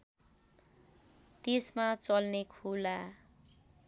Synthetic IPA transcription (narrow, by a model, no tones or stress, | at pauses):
t̪esmat͡sʌlnekʰula